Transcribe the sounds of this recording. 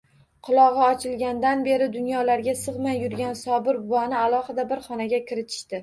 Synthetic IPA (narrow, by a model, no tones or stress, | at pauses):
qʰʊlˠɒʁɨɒt͡ʃʰɪlˠɡʲand̪anbe̞ɾɪd̪ʊnjɒlaɾɡʲasɨʁmajːʊɾɡʲansɒbɪɾbʊwɒnɪalˠɒχɨd̪abɪɾχɒnaɡʲakʲʰɪɾɪt̪ʰɪ̥ʃt̪ɪ